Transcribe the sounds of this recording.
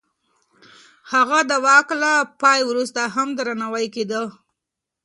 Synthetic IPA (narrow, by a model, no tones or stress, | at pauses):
haɣad̪əwɑklapɑjwɾust̪aɦamd̪ɾanawajked̪ə